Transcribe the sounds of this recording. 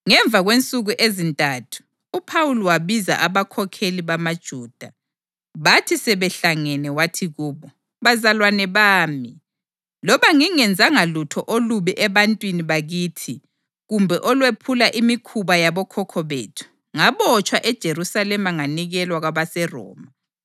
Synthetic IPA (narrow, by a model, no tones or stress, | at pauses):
ŋɛɱb̪vʱaɣwent͡sʼuɣuʔezintʼaːtʰu̥ | upʰawulɔwaβiza̰ʔaβakʰɔkʰeliβamad̥ʒ̥ʱuːd̥ʱa | βatʰisɛβɛɬaŋɛnɛwatʰiɣuːβɔ | βazalwanɛβaːmi | lɔβaŋiŋɛnd͡zʱaŋalutʰɔʔoluβiʔɛβantʼwiniβaɣiːtʰi | ɣumbʱɛʔɔlwepʰulaʔimikʰuβajaβɔkʰɔkʰɔβḛːtʰu̥ | ŋaβɔt͡ʃʼwaʔɛd̥ʒ̥ʱeɾusalɛmaŋaniɣɛlwaɣwaβasɛrɔ̰ːma